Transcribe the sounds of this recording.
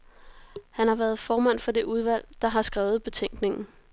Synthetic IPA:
hænhɑ̈ʋæːɐð̞̩ˠfɒːmæn̰fɒ̽d̥e̝ʔuð̞ˠʋæl̰d̥ɑ̈ɦɑ̈sɡ̥ʁɛːʊð̞̩ˠb̥e̝t͡sʰeŋ̰ɡ̥ne̝ŋn̩

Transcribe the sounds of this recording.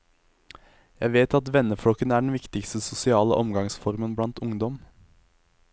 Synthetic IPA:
jæɪʋeːt̪ɑt̪ʋɛnəflɔkənəæːɖɳ̩ʋɪkt̪ɪkst̪əsʊsɪɑːlə̰ʔɔmɡɑŋsfɔʁmənblɑnt̪ʊŋd̪ɔm

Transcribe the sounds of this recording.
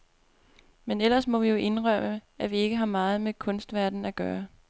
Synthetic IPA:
menel̰ɐsmɒ̽ʋijo̝ʔe̝nʁɶm̰əʔæʋie̝ɡ̥əɦɑ̈mɑ̈ːð̞̩ˠmekʰɔ̽nsd̥ʋæɐd̥n̩æɡ̥ɶːɐ

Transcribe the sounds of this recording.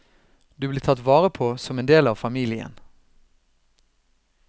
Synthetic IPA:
d̪ʉːbliːt̪ʰɑt̪ʋɑːʁəpʰoːsɔmeːnd̪eːlɑːʋfɑmiːlɪə̰n

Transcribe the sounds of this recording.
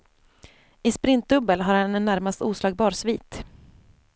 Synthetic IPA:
ɪspɾɪnt̪̚d̪ɵbːəlɦaɾhanɛnːæɾmast̪uːslɑːɡ̚bɑːɾsviːt̪

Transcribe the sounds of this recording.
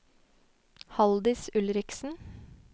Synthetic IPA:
hɑld̪ɪsʉlɾɪksn̩

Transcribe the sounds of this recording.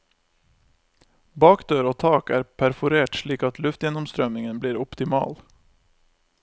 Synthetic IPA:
bɑːkd̪øːɾoːt̪ʰɑːkæːɾpʰæɾfʊɾeːʈʂɭiːkɑt̪ʰlʉft̪jɛnɔmst̪ɾœmnɪŋənbliːɾɔpt̪ɪmɑ̰ːl

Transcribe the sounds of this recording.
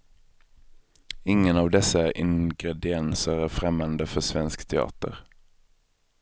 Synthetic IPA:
ɪŋənɑːʋd̪ɛsəæʔɪŋɡɾɛd̪ɪɛnsəɾæfɾɛmand̪əfɔsʋɛnskt̪ʰɛɑ̰ːt̪ə̰ʁ

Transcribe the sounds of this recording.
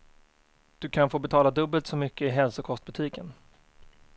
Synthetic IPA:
d̪̥ɵkʰanfoːbɛt̪ʰɑːlad̪ɵbːəlt̪sɔmʏkːəɪɦɛlsʊkʰɔst̪̚bɵt̪ʰiːkən

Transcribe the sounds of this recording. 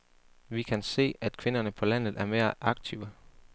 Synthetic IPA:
ʋikʰænse̝̰ːæd̥̚kʰʋe̝nɐnəpʰɒ̽læn̰ð̩ˠæɐme̝ːɐʔɑ̈ɡ̥̚t͡sʰiʊə

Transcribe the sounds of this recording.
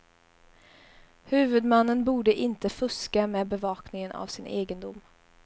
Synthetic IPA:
hʉ̟ːvɵd̪manːənbuːɖəʔɪnt̪əfɵskameːbɛvɑːknɪŋənʔa̰vsɪnʔeːɡənd̪ʊm

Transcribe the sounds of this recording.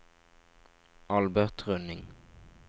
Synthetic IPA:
ʔɑlbæʁt̪ʁɵnːɪŋ

